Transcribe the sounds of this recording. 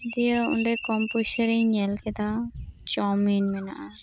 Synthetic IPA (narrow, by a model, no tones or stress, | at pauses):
d̪ijəṵɳɖekɔmpusəɾiɲɛlkɛd̪at͡ʃɔminmɛnaʔa